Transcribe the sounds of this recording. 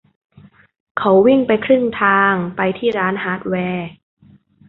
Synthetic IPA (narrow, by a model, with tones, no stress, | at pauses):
kʰa˨˦˥wwi˥˩ŋpa˧jkʰɾɯ˥˩ŋt̪ʰaː˧ŋpa˧jt̪ʰiː˥˩ɾaː˦˥nɦaː˦˥t̪̚wɛː˧